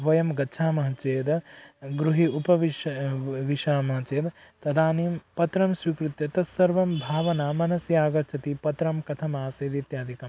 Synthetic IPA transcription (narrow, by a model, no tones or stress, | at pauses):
ʋɐjɐmɡɐːt͡ʃʰaːmɐɦɐt͡ʃeːd̪ɡɾuɦiupɐʋi | ʋiʃaːmɐɦɐt͡ʃeːd̪t̪ɐd̪aːniːmpɐt̪ɾɐmsʋikɾut̪jɐt̪ɐsɐɾʋɐmbʱaːʋɐnaːmɐnɐsjaːɡɐɾt͡ʃʰɐt̪ipɐt̪ɾɐmkɐt̪ʰɐmaːseːd̪it̪jaːd̪ʱikɐm